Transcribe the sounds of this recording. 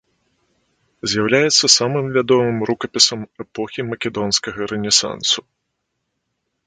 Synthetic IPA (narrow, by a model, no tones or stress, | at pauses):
zʲjawlʲajɛt̪sːɐsamɨmvʲad̪ɔmɨmɾukɐpʲisɐmɛpɔxʲimɐkʲɛd̪ɔnskɐɣɐɾɛnʲɛsa̰nsu